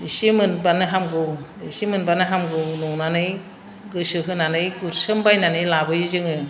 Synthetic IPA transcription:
isimɯnbanɯɦamɡɯwisimɯnbanɯɦamɡɯwnɔŋnanɯj | ɡɯsɯɦɯnanɯjɡuɾsɯmbajnanɯjlabɯjzɯŋɯ

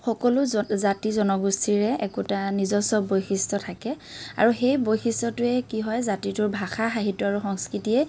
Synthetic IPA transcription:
xɔkɔlʊzatizɔnɔɡustʰiɹɛɛkutanizɔsɔbojxistɔtʰakɛ | a̰ɹuxejbojxistɔtʊɛkiɦɔjzatitʊɹbʱaxaxaɦitɔaɹuxɔŋskɹitiɛ

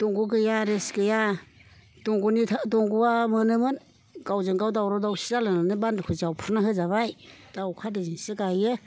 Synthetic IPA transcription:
dɔŋɡuɡɯjaɾesɡɯja | d̥ɔŋɡunitʰadɔŋɡuwamɯnɯmɯn | ɡawzɯŋɡawdawɾɔdawsizalɯnanɯbandkʰɯzawpʰuɾnaɦɯzaβajd̥awkʰadɯzinsɯɡajɯ

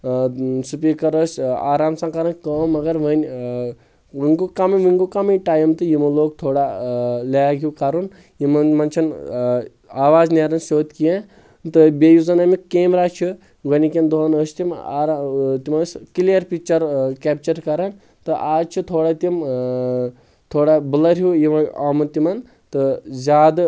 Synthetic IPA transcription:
supikɐɾəsaːɾaːmsɐ̃ŋkɐɾɐnkəːmːɐɡɐɾʋɐnʲ | ʋiŋɡukamɐʋiŋɡukamɐjʈaːjimt̪ɨjimɐloːk̚t̪ʰoːɽalɐjaɡʱʲiwkaɾun | jimɐnmɐnt͡ʃʰin | aːʋaːzneɾɐnsoːt̪kijẽ | t̪ɨbʲejuzɐnɐmikeːmɾaːt͡ʃʰi | ɡɐnikend̪oːnəst̪ima̰ɾt̪imɐskilijɐɾpik̚t͡ʃɐɾkʲeːp̚t͡ʃɐɾkɐɾɐn | t̪ɨʔaːd͡ʒt͡ʃʰit̪ʰoːɽat̪im | t̪ʰoːɽabɨlɐɾʲɦujimɐɐmɐt̪imɐn | t̪ɨzʲaːd̪

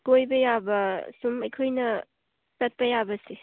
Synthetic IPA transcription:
kojbɐjabɐsumɐjkʰojnɐ | sɐt̚pɐjabɐsi

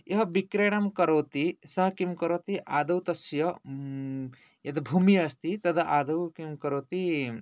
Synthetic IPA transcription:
jɐɦɐbikɾeɽɐmkɐɾɐwt̪isɐɦkimkɐɾowt̪iʔaːd̪ɐwt̪ɐsjɐ | jet̪ɐbʱumiɐst̪it̪ɐd̪ɐʔaːd̪ɐwkimkɐɾowt̪i

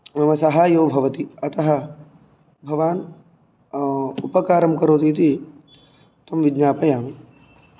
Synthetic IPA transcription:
mɐmɐsɐɦaːjoːbʱɐʋɐt̪iɐt̪ɐɦɐ | bʱɐʋaːn | upɐkaːɾɐmkɐɾoːt̪it̪i | t̪ɐmʋidd͡ʒɲaːpɐjaːmi

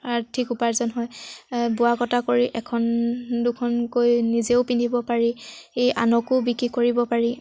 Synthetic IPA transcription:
aɹtʰikupaɹzɔnɦɔjbʊakɔtakoɹiʔɛkʰɔndʊkʰɔnkojnizeʊpindʱibɔpaɹiejʔa̰nɔkʊbikɹikoɹibɔpaɹi

